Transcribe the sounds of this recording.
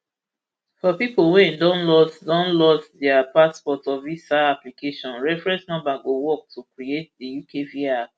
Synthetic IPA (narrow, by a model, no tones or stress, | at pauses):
fɔpipolwɛ̃ndɔ̃nlɔsdɔ̃nlɔsdɛapaspɔtɔvisaaplikeʃɔ̃nɹɛfɹɛ̃nsnɔ̃mbaɡowɔk̚tʰukɹiet̚dijukʰevia